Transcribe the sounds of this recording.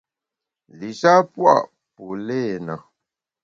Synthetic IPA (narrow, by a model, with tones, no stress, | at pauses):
li˨sa˦pwa̰˦˨ʔ | po˨le˦˨na˨